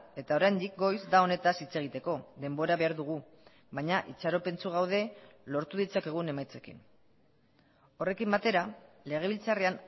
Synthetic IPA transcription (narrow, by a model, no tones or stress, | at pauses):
e̞t̪ao̞ɾajnd̪ik̚ɡo̞jzd̪ao̞ne̞t̪asit͡se̞ɣ̞it̪e̞ko̞ðe̞mbo̞ɾaβe̞aɾðuɣ̞u | βaɲaʔit͡ʃaɾo̞pe̞nt͡suɣ̞awð̞e̞lo̞ɾt̪uð̞it͡sake̞ɣ̞une̞majt͡se̞kḭn | o̞re̞kimbat̪e̞ɾale̞ɣ̞e̞β̞ilt͡sarean